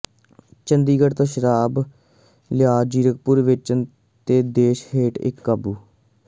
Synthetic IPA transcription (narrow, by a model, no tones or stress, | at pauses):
t͡ʃənd̪iːɡəʈt̪õːʃəɾaːb | lɪjaːd͡ʒiːɾək̚pʊɾʋɪt͡ʃə | t̪eːd̪eːʃɦeːʈɪ̰kːaːbuː